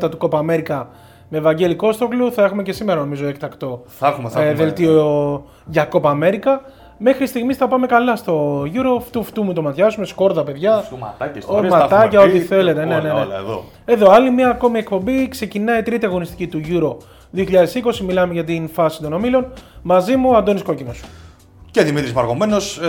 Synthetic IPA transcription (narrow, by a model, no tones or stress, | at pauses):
t̪ɐt̪uko̞pɐːme̞ɾikɐ | me̞ːvɐɲɟe̞liko̞st̪okluθɐe̞xume̞ce̞simeɾɐno̞mizo̞ekt̪ɐkt̪o̞ | ðe̞lt̪io | ʝɐko̞pɐme̞ɾikɐ | me̞xɾist̪iɣmisθɐpɐme̞kɐlɐst̪o̞ʝuɾo̞ft̪uft̪umut̪o̞mɐt̪çɐzume̞sko̞ɾðɐpe̞ðʝɐɐ̰t̪ɐsmɐt̪ɐcɐot̪iθe̞le̞t̪ene̞neneo̰ | e̞ðo̞ɐlimiɐːko̞mie̞kpo̞mbikse̞cinɐit̪ɾit̪iɐɣonist̪i̥cit̪uʝuɾo̞ | ðioçiʎɐðe̞siko̞similɐme̞ʝɐt̪infɐsi̥t̪o̞no̞milo̞nmɐzimuɐnd̪o̞nisko̞cinos | ceðimit̪ɾizmɐɾɣomeno̞s